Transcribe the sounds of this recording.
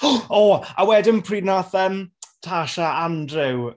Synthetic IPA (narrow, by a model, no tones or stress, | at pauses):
ɔːawɛdəmpʰriːdnaθəmtʰaʃaandrɪw